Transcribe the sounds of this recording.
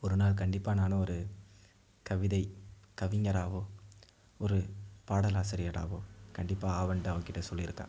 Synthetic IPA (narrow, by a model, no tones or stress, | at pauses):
ɔɾɯnaːlk̬ɐɳɖɪpːaːnaːnɯɔɾɯ | kɐʋɪðɐɪkɐʋɪŋɡɐɾaːʋoː | ɔɾɯpaːɽɐlaːsɪɾɪjɐɽa̰ːʋoːkɐɳɖɪpːaːaːʋɐɳɖɐːʋɐkɪʈːɐsɔlːɪɪɾɯkːã̰ː